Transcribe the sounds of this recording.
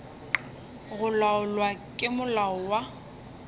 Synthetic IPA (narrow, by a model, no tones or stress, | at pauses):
ɣʊlaʊlwakʼɪmʊlaʊwa